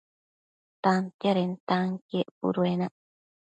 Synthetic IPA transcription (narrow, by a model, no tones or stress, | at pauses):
t̪ant̪jaɾent̪aŋkieʔpṵɾuena